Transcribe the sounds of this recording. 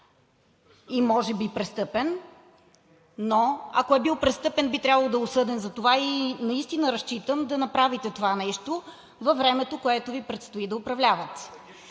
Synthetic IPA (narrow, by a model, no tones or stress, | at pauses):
imɔʒɛbipɾɛst̪ɤpɛn | oɐ̰koɛbilˠpɾɛst̪ɤpɛnbit̪ɾʲjabəlˠod̪ɐʊsɤd̪ɛnzɐt̪ovainɐist̪inəɾɐst͡ʃit̪əmd̪ɐnɐpɾavit̪ɛt̪ovanɛʃt̪o | vɐvɾɛmɛt̪okoɛt̪ovipɾɛt̪st̪oid̪ɐʊpɾɐvlʲavət̪